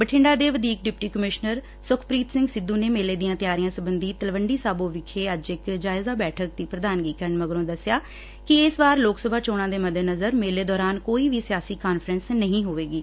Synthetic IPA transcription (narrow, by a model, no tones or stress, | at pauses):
bəʈʰɪ̃ɳɖaːd̪eːʋəd̪iːk̚ɖɪp̚ʈiːkəmɪʃnəɾ | sʊkʰpɾiːt̪sɪ̃ŋɡsɪd̪ːũːneːmeːleːd̪ɪjãːt̪ɪjaːɾɪjãːsəbənd̪iːt̪əlʋəɳɖiːsaːbõːʋɪkʰeːəd͡ʒɪkd͡ʒaːɪzaːbɛːʈʰək̚d̪iːpɾəd̪aːnɡiːkəɳməɡɾõːd̪əsːɪjaː | kɪɪsʋaːɾloːksəbʱaːt͡ʃoːɽ̃ãːd̪eːməd̪eːnəzəɾmeːleːd̪ɔːɾaːnkoːiːʋiːsɪjaːsiːkaːnfʰɾənsnəɦĩːɦoːʋeːɡiː